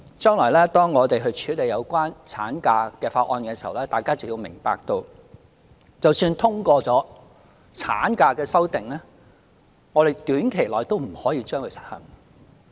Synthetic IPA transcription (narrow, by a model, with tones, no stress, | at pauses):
t͡ʃœː˥ŋlɔː˨˩jlɛː˥t̪ɔː˥ŋːɔː˨˧t̪e˨jɦɵ˧ɥt͡ʃʰyː˨˥le˨jɐ˨˧wkʷwaː˥nt͡sʰaː˨˥nkaː˧kɛː˧faː˧t̚ʔɔː˧nkɛː˧si˨wlɛː˥t̪aː˨jkaː˥t͡sɐ˨wji˧wmɪ˨˩ŋpa̰ː˨k̚t̪o˧w | t͡sɐ˨wsyː˧nt̪ʰʊ˥ŋkʷɔː˧t͡sɔː˨˥ | t͡sʰa̰ː˨˥nkaː˧kɛː˧sɐ˥wt̪ɪ˨ŋlɛː˥ | ŋɔ˨˧ɾe˨jt̪yː˨˥nkʰe˨˩jlɔː˨jt̪o˥wm̩˨˩hɔː˨˥jiː˧t͡ʃœː˥ŋkʰɵ˧sɐ̥˨˥t̚hɐ̰˨˩ŋ